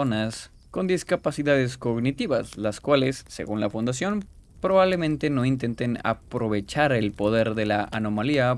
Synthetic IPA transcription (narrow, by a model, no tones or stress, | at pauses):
onas | ko̞nd̪iskapasiðaðe̞sko̞ɣnit̪iβaslaskwale̞sːḛɣunlafund̪as̬jo̞npɾo̞βaβle̞mẽ̞nt̪e̞no̞int̪e̞nt̪ena̰pɾo̞β̞e̞t͡ʃaɾe̞lpo̞ð̞e̞ɾðe̞laʔano̞malia